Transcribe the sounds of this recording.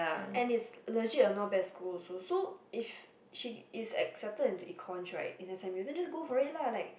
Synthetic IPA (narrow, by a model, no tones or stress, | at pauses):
aɛ̃nitsələd͡ʒiənɔbɛskʰulsosoif | ʃiːsɛ̰k̚sɛp̚tədĩntuʔikʰɔ̃ntʰɹa̰tĩnɛsɛ̃mjudɛ̃nd͡ʒasɡofɔɹit̚lalaɪk̚